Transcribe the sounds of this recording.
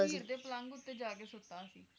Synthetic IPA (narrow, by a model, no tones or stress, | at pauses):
iɾd̪eːpələ̃ŋɡʊt̪ːeːd͡ʒaːkeːsʊt̪ːaːsiː